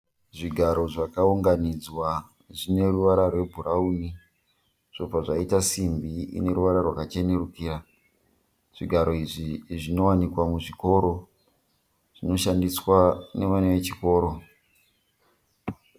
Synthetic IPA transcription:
ʐiɡʱaɾo̞ʐakauŋɡanid͡zwa | ʐine̞ruʋaɾarwe̞bʱuɾauni | ʐ̥o̞paʐaitasimbiḭne̞ɾuʋaɾarwakat͡ʃe̞ne̞rukiːra | ʐ̥iɡʱaɾo̞iʐiʐino̞wanikwamuʐiko̞ɾo̞ | ʐ̥ino̞ʃandiswane̞ʋaneʋet͡ʃiko̞ːɾo̞

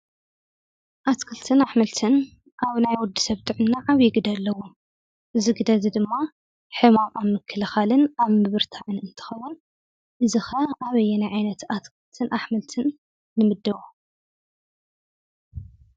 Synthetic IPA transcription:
ʔat̪kʰɨlt̪ʰɨnaħmɐlt̪ʰɨn | ʔaβnajwɔd̪i̥sɐβt̪ʼɨʕɨnːaʕaβjɛɡɨd̪ɐlːɐwu | ʔɨziɡɨd̪ɐzid̪ɨmːa | ħɨmamʔamːɨkʰːɨlɨxalɨnaβmɨβɨɾt̪ʰaʕɨnɨnt̪ʰɨ̥xɐwːun | ʔɨzixɐʔaβɐjːɛnajʕajnɐt̪at̪kʰɨlt̪ʰɨnʔaħmɨlt̪ʰɨnː | ɨmɨd̪ːɐβo

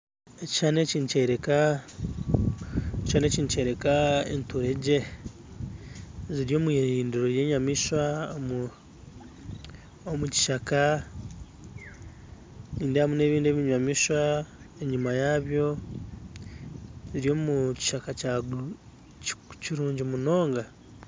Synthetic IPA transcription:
eci̥ʃaːne̞ciːnuceɾeka | ecʃaːne̞ːciːnce̞ɾe̞kaḛntoɾeɟe | ziɾjo̞ːmuiiːndiɾoɾje̞ːɲamiʃwam | omuci̥ʃaka | niːndehamune̞ːβiːnde̞ːβiɲamiʃwa | eɲimajaβjo̞ | ziɾjo̞ːmuci̥ʃakaca | ciɾuːɲɟimuno̞ːŋɡa

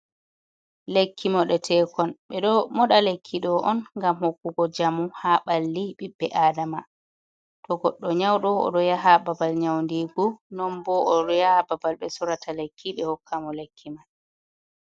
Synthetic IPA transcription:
lekʰːimɔɗɛtʰɛkɔnɓɛɗɔmɔɗalekʰːiɗɔʔɔnŋɡamhokːuɡɔd͡ʒamuhaɓalːiɓibːɛʔadama | tɔɡɔɗːɔɲawɗɔɔ̰ɗɔjaɦababalɲawndiɡunɔnbɔɔɗɔjaababalɓɛsuɾatalekʰːiɓɛhɔkʰːamɔlekʰːima

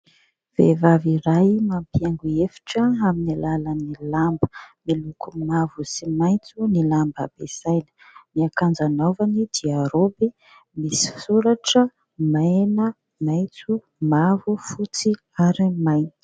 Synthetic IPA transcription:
v̥ḛvaviɾajmampijaŋɡuefi̥ʈ͡ʂəaminilalanilambə̥milukumavusimajt͡sunilamba̰b̥ez̥ajnə̥ | miakand͡zanovanid̪iaɾobi | misi̥suɾaʈ͡ʂə | maeenə | majt͡su | mavufut͡si | aɾimajni̥

